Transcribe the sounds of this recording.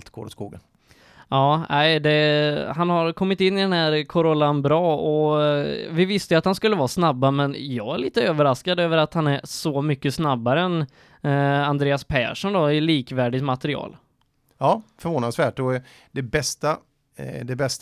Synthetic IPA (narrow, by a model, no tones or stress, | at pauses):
lt̪ɡ̥o̰ːɾɔskuːɡən | ɑːæɪd̪ɛɦanhaɾkʰɔmːɪt̪ɪnːɪd̪ɛnhæːɾkʰɔɾɔlːanbɾɑːɔ | vɪvɪst̪əjat̪hanskɵlːəvɑːsnabːamɛnjɑ̰ːɡæɭiːt̪əøːvəɾaskad̪øːvəɾat̪hanæɾʂɔmʏkːəsnabːaɾəɛn | and̪ɾeːaspʰæ̰ːʂɔnd̪ɔɪliːkvæːɖɪt̪mat̪ɛɾɪɑ̰ːl | ɑːfœɾvoːnasvæːʈɔ | d̪ɛbɛst̪a | d̪ɛbɛst̪